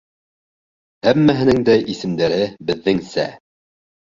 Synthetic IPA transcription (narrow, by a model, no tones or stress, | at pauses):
hæmːæɦɘ̆nɘŋd̪æʔisɘ̆md̪æɾɘbɘ̆ðːɘŋsæ̰